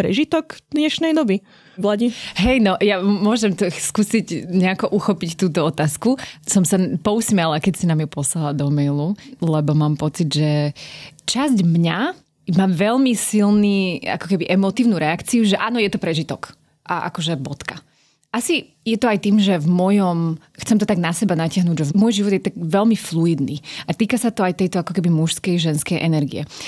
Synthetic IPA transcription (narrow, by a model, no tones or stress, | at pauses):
pɾɛ̰ʒit̪ɔɡd̪ɲɛʃnɛjd̪ɔbi | ʋlaɟiɦɛjnɔʔjamʊɔʒɛmt̪ɔskuːsiɟɲɛakɔʔuxɔpict̪uːt̪ɔɔt̪aːskusɔmsapɔusmɛlakɛcsinamjɛpɔslalad̪ɔmɛjlulɛbɔmaːmpɔt͡sid̪ʒɛ | t͡ʃazɟmɲa | maːʋɛʎmisilniːa̰kɔkɛbiʔɛmɔt̪iːʊnuɾɛakt͡siuʒɛʔaːnɔjɛt̪ɔpɾɛʒit̪ɔk | ʔaʔa̰kɔʒɛbɔt̪ka | ʔasi | jɛt̪ɔajt̪iːmʒɛvmʊɔjɔm | xt͡sɛmt̪ɔt̪aɡnasɛbanacɪaɦnuːɟʒɛmʊɔjʒiʋɔd̪jɛt̪aɡʋɛlmifluid̪niʔat̪iːkasat̪ɔajt̪ɛjt̪ɔakɔkɛbimuʃskɛjʒɛnskɛjʔɛnɛɾɡḭɛ̰